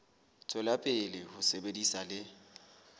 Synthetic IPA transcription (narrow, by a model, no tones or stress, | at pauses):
t͡sʼɛlapʼɪlɪhʊsebedisalɪ